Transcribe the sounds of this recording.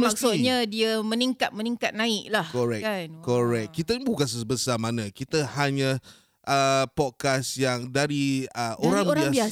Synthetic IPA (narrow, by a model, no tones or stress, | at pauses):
mmaksut̪̚ɲadiamə̃niŋkat̪̚məniŋkat̪̚nãɪklahkoɾɛkankoɾɛk̚kit̪əbukans̬əsəbəsamanãkit̪əhaɲə̃ | ʔəpɔt̚kasjaŋdaɾiəoɾãŋbɾiaa